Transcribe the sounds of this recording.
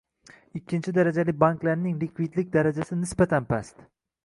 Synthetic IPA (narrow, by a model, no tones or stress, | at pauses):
ɪkʲʰːɪnt͡ʃʰɪd̪aɾad͡ʒalɪbaŋklaɾnɪŋlɪkʰʲvid̪lɪk̚ʲd̪aɾad͡ʒasɪnɪsbat̪ʰanpʰast̪